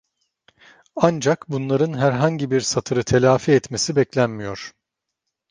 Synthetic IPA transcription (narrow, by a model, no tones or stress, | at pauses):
and͡ʒakbunlˠaɾɯnɦæɾɦaɲɟibiɾsat̪ʰɯɾɯt̪ʰe̞lʲaːfiɛt̪me̞sibɛclʲænmijo̞ɾ̥